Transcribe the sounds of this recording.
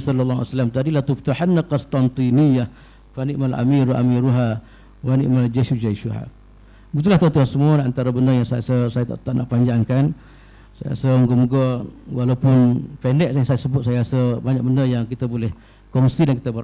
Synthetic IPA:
sɔlalːaa̰salamt̪adilat̪uft̪uħanːakɔst̪ant̪inijah | faniʔmala̰miɾua̰miɾuɦa | wanḭʔmald͡ʒesud͡ʒaʃuɦa̰ | but̪ulaht̪ont̪uhansəmanant̪aɾabəndəjaŋsajasəsajat̪a̰ʔt̪aʔnʔaʔpaɲd͡ʒaŋkan | saja̰səmɡəməɡɔwalawpʊnpendɛʔ̚jaŋsajasəbʊt̪̚sajaasəbaɲak̚bəndəjaŋkit̪abolɛh | kɔŋsidankit̪abə

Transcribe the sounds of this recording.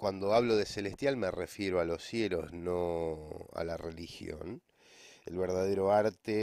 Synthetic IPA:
kwand̪oaβloðeselest̪jalmerefjeɾoalo̞sjelozno | a̰larelixjo̰n | ḛlβeɾðaðeɾo̞aɾt̪e

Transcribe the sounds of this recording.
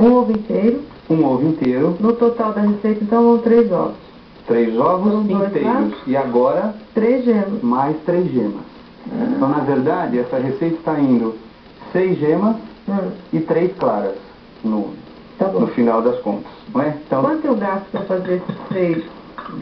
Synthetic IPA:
ũovʊĩnt̪ejɾʊ | ũovʊĩnt̪ejɾʊnʊt̪ot̪awd̪ɐhesejt̪ɐ̃t̪ɐ̃w̃vɐ̃w̃t̪ɾejzɔ̰vʊs | t̪ɾejzɔvʊ̃sɐ̃ĩojt̪eaɾʊsɪaɡɔɾɐt̪ɾezʒẽmɐsmajst̪ɾejzʒẽmɐs | t̪ɐ̃w̃nɐveɾd̪ad͡ʒɪɛsɐɦesejt̪ɐ̥t̪aĩnd̪ʊ | sejzʒẽmɐs | ɐɪt̪ɾejsklaɾɐs | nʊ̰̃ | t̪ɐ̃nʊfinawd̪ɐskõ̰nt̪ɐ̥sɐ̃ɛ̃t̪ɐ̃w̃ɐ̃t̪ẽʊɡast̪ʊ̥pɾɐfazeɾesɪsejt̪

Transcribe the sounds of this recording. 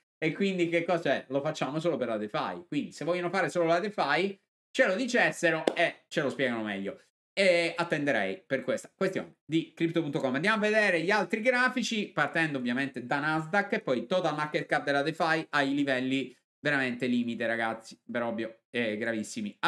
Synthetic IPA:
ekwind̪ikekːɔzaɛlofat͡ʃːaːmosoːlopeɾlad̪efa̰jkwind̪isevɔʎːanofaːɾesoːlolad̪efaj | t͡ʃelod̪it͡ʃesːeɾoet͡ʃelospjɛːɡanomɛ̰ʎːo | eat̪ːend̪eɾɛjperkwest̪ḁkwest̪jo̰ːned̪ikɾipt̪opunt̪okɔmːand̪jamavːed̪eːɾeʎialt̪ɾiɡɾaːfit͡ʃipart̪ɛnd̪oovjament̪ed̪anazd̪akːepːɔjt̪ot̪almakːet̪̚kap̚d̪elad̪efajajlivɛlːi | veɾament̪eliːmit̪eɾaɡat̪sːi̥peɾɔbjo | ɛɡɾavisːimia

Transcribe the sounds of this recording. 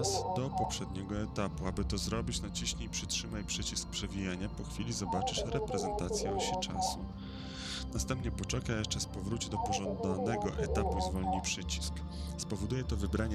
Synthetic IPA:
sd̪̥ɔpɔpʂɛd̪ɲɛɡɔɛt̪apuabɘt̪ɔzɾɔbʲit͡ɕnat͡ɕiɕɲejpʂɘtʂɘmajpʂɘt͡ɕisk̚pʂɛvʲijaɲapɔxfʲilʲizɔbat͡ʂɘʂɾɛpɾɛzɛnt̪at̪sʲjɛɕɛt͡ʂa̰su | nast̪ɛmpɲɛpɔt͡ʂɛkajjɛʂt͡ʂɛspɔvɾut͡ɕɛd̪ɔpɔʐɔnd̪anɛɡɔʔɛt̪apuzvɔlɲipʂɘt͡ɕi̥sk | spɔvɔd̪ujɛt̪ɔvɘbɾaɲ

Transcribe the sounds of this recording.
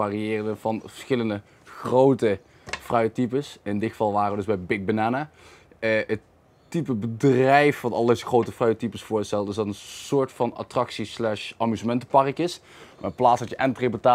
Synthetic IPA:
aːriɪːrədənvɑnvə̥sxɪləndə | xrowtə | frœɥətipəsɪndɪxəfɑlˠʋaːrəədɵzbɛjbɪk̚bənaːna | əət | tipəbədrɛjfʋɑtɑlˠdejzəxrowtəfrœɥətipəsfʊːɹstɛlˠtəɪsdɑtənsʊːɹtfɑna̰trɑksislɛʃɑmyzəmɛntəpɑrkɪs | maːplaːtsdɑtjəʔɛntrepətaː

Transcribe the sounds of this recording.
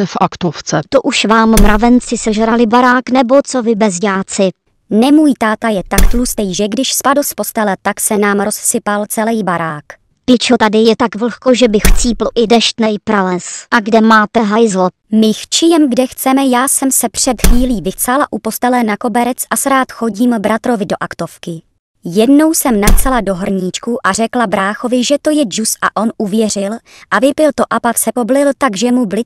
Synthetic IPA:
ɛfʔakt̪oft͡sɛt̪oʔuʃvaːmːɾavɛnt͡sɪsɛʒɛɾalɪbaɾaːknɛbot͡so̞vɪbɛzɟaːt͡sɪ | nɛmuːjt̪aːt̪ajɛt̪akt̪lust̪ɛjʒɛɡdɪʃspadospost̪ɛlɛt̪aksɛnaːmɾo̞ssɪpalt͡sɛlɛjbaɾaːk | pɪt͡ʃot̪adɪjɛt̪akvl̩xkoʒɛbɪxt͡siːploʔɪdɛʃt̪nɛjpɾalɛsʔaɡdɛmaːt̪ɛɦajzlo | mɪxt͡ʃɪjɛmɡdɛxt͡sɛmɛjaːsɛmsɛpr̝̥ɛt̪xviːliːvɪxsalaʔupo̞st̪ɛlɛnako̞bɛɾɛt͡sʔasɾaːt̪xo̞ɟiːmbɾat̪ɾo̞vɪdo̞ʔakt̪o̞fkɪ | jɛdno̞wsɛmnaksalado̞ɦr̩ɲɪt͡ʃkuʔar̝ɛklabɾaːxo̞vɪʒɛt̪o̞jɛd͡ʒusʔa̰ʔo̞nʔuvjɛr̝ɪl | ʔavɪpɪlt̪oʔapafsɛpoblɪlt̪aɡʒɛmublɪ

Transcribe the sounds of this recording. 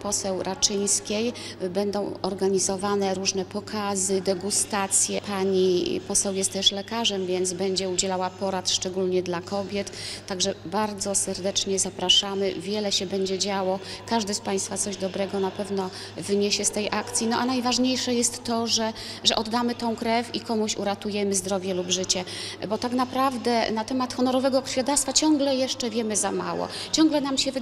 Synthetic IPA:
pɔsɛwɾʔat͡ʂɘjskʲejbɛnd̪ɔ̃w̃ɔɾɡaɲizɔvanɛɾuʐnɛpɔkʰazɘd̪ɛɡust̪at̪sʲjɛpaɲipɔsɛwjɛst̪ːɛʂlɛkaʐɛmvʲjɛnd̪zbɛɲd͡ʑɛud͡ʑɛlawapɔɾat̪ʂt͡ʂɛɡulɲɛd̪lakɔbʲjɛt̪ːaɡʐɛbaɾd̪zɔsɛɾd̪ɛt͡ʂɲɛzapɾaʂamɘvʲjɛlɛɕɛbɛɲd͡ʑɛd͡ʑawɔkaʐd̪ɘspaj̃st̪fat̪sɔʑd̪ɔbɾɛɡɔnapɛvnɔ | vɘɲɛɕɛst̪ɛjʔakt̪sʲjinɔʔanajvaʐɲejʂɛjɛst̪ːɔʐɛʐɛʔɔd̪ːamɘt̪ɔ̃w̃kɾɛfʲikɔmuɕṵɾat̪ujɛmɘzd̪ɾɔvʲjɛlubʐɘt͡ɕɛbɔt̪akn̪apɾavd̪ɛnat̪ɛmat̪xɔnɔɾɔvɛɡɔkɾfʲjad̪ast̪fat͡ɕɔŋɡlɛjɛʂt͡ʂɛvʲjɛmɘzama̰wɔ̰t͡ɕɔŋɡlɛnamɕɛv

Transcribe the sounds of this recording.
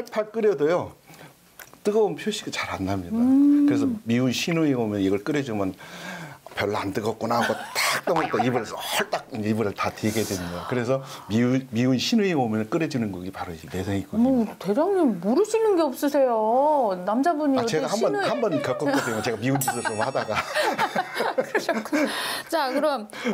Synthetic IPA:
aɭpʰaɭk͈ɯɾjʌdojo | t͈ɯɡʌunpʰjoɕʰiɡat͡ɕaɾanːamɲidakɯɾes̬ʰʌmiuɕʰinoiomjʌniɡʌɭk͈ɯɾed͡ʑɯmʌn | pjʌɭːantɯɡʌk̚k͈unaɡotak̚t͈ʌŋʌt͈aibuɾesʰʌhʌɭt͈ak̚ind͡ʑeibɯɾɯɭtatʰeɡedwemɲidakɯɾe̞sʰʌmimiunɕʰinɯiomjʌnk͈ɯɾed͡ʑinɯnɡuɡipaɾunesʰeŋik͈oote̞ɾaŋɯmuɾɯɕʰinɯnɡe̞ʌp̚s͈ɯsʰe̞jonamd͡ʑabuɲiat͡ɕeɡɡahambʌnhambʌnkjʌk͈ʌk͈ʌd͈eɲot͡ɕe̞ɡamiund͡ʑʰisʰʌt͡ɕomhadaɡa | t͡ɕakɯɾʌm

